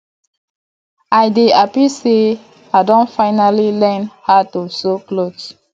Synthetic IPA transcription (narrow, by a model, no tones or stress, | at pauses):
ajdeapise | adɔ̃nfaɪnalilɛ̃nhatusoklos